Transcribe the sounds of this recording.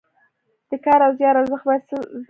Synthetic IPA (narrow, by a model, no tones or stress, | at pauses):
d̪̥əkɑɾawzjɑɾawzəxbas